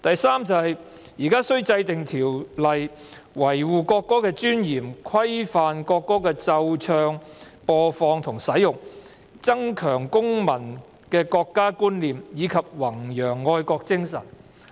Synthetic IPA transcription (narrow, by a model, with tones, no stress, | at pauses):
t̪ɐ˨jsaː˥mt͡sɐ˨hɐ˨j | jiː˨˩kaː˥sɵ˥ɥt͡sɐ˧jt̪ɪ˨˩ŋt̪ʰiː˨˩wlɐ˨j | wɐ˨˩jwuː˨˧kɔː˧kːɔː˥kɛː˧t͡ʃyː˥njiː˨˩mkʰɐ˥jfaː˨nkɔː˧kːɔː˥kɛː˧t͡sɐ˧wt͡ʃʰœː˧ŋpɔː˧fɔː˧ŋt̪ʰʊ˨˩ŋsɐ˨˥jʊ˨ŋ̚ | t͡sɐ˥ŋkʰœː˨˩ŋkʊ˥ŋmɐ˨˩n | kɛː˧kɔː˧kːaː˥kuː˥nliː˨mjiː˨˧kʰɐ˨p̚wɐ˨˩ŋjœː˨˩ŋːɔː˧jkɔː˧k̚t͡sɪ˥ŋsɐ̰˨˩n